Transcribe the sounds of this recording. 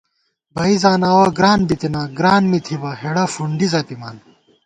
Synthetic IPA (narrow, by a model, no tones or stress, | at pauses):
bɐizaːnaːwɐɡɾaːnbit̪inaɡɾaːnmit̪ʰibɐɦeɽɐfuɳɖizɐːt̪imaːn